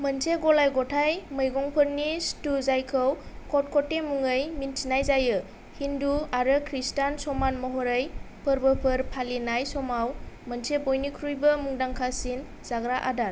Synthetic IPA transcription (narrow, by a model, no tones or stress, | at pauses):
mənsʰeɡɔlajɡɔtʰajməjɡɔŋpʰɯɾnistuzajkʰɯwkʰɔt̚kʰɔtːemuŋəjmintʰinajzajɯ | hinduaɾɯkʰɾistansɔmanmɔɦɔɾəj | pʰəɾbəpʰɯɾpʰalinajsɔmawmənsʰebojnikʰɾujbəmuŋdaŋkʰasin | z̥aɡɾaʔadaɾ